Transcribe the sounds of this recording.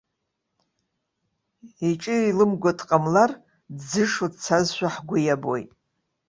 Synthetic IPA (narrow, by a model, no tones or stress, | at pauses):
iʈ͡ʂʼɨilɨmɡʷatʰqʼamlar | dd͡zɨʂodt͡sʰazʃʷᶣaħɡʷʊjabo̰jtʼ